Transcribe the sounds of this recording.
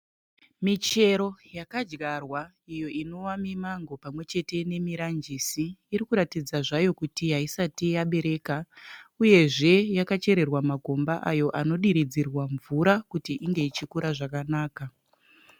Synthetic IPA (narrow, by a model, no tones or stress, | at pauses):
mit͡ʃe̞ɾo̞jakad͡ʒɡarwa | ijo̞ʔino̞wamimaŋɡo̞pamwe̞t͡ʃe̞te̞ne̞miɾand͡ʒisiːɾikuɾatid͡zaʐajo̞kutiɦaisatijaɓe̞ɾe̞ːkauje̞ʐe̞jakat͡ʃe̞ɾe̞rwamaɡʱo̞mbaʔajo̞ʔano̞ɗiɾid͡zirwaɱvuɾakutiʔiŋɡeit͡ʃikuɾaʐakanaːka